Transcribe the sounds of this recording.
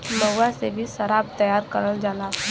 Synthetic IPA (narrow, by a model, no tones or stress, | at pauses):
məasebʱisəɾaːb̚t̪ɐjaɾkəɾəld͡ʒaːla